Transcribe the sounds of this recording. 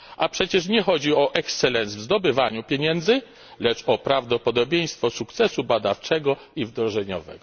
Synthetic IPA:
apʂɛt͡ɕɛʂ̬ɲɛxɔd͡ʑiɔʔɛkssɛlɛnsvzd̪ɔbɘvaɲupʲjeɲɛnd̪zɘ | lɛt͡ʂɔpɾavd̪ɔpɔd̪ɔbʲjej̃st̪fɔsukt̪sɛsubad̪aft͡ʂɛɡɔ | ivd̪ɾɔʐɛɲɔ̰vɛ̰ɡɔ

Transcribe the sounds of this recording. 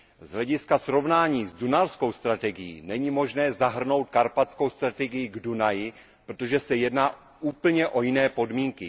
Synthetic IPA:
zɦlɛɟɪskasɾo̞vnaːɲiːzdunalsko̞wst̪ɾat̪ɛɡɪjḭːnɛɲimo̞ʒnɛːzaɦr̩no̞wt̪̚kaɾpat͡sko̞wst̪ɾat̪ɛɡɪjɪɡdunajɪ | pɾot̪o̞ʒɛsɛjɛdnaː | ʔuːpl̩ɲɛʔo̞jɪnɛːpo̞dmiːŋkɪ

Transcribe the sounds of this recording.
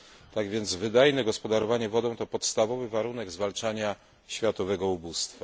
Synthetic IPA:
t̪aɡvʲjɛnd̪zvɘd̪ajnɛɡɔspɔd̪aɾɔvaɲɛvɔd̪ɔ̃w̃t̪ɔpɔt̪st̪avɔvɘvaɾun̪ɛɡzvalt͡ʂaɲa | ɕfʲjat̪ɔvɛɡɔubust̪fa

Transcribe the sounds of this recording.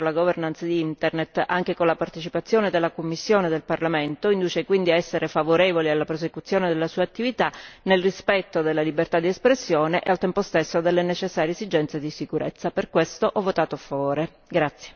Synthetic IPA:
laɡovernant̪sad̪iint̪ernet̪ːaŋk̟ekonlapart̪et͡ʃipat̪sːjoːned̪elːakomːisːjoːned̪elparlament̪oind̪uːt͡ʃekwind̪iaɛsːeɾefavoɾevolialːapɾosekut̪sːjoːned̪elːasuːaːt̪ːivit̪anelrispɛt̪ːod̪elːalibert̪ad̪ːiespɾesːjoːneʔealt̪ɛmpost̪esːod̪elːenet͡ʃesːaːɾjeezid͡ʒɛnt̪sed̪isikuɾʔḛt̪sːaperkwest̪oʔɔvːot̪aːt̪oafːavoːɾe | ɡɾat̪sːje

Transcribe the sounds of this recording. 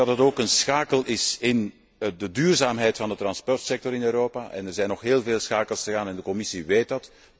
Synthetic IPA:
ɑtdəɑtoːkənsxaːkəlˠɪsɪn | dədyːrzaːmɦɛjtfɑndət̪ɾɑnspɔrtsɛk̚tɔɾɪnøːɾoːpaːʔɛ̰nɛrzɛjnːɔxɦeːlˠveːlˠsxaːkəlˠsxəɣaːnɛndəkɔmɪsiʋeːt̚dɑt

